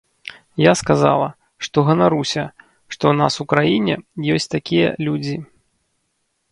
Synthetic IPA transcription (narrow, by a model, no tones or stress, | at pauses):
jaskaza̰lˠɐ | ʂt̪ɔɣɐnaɾusʲɐ | ʂt̪ɔwna̰sukɾajinʲɛ̰jɔsʲt͡sʲt̪akʲijɐ̰lʲud͡zʲi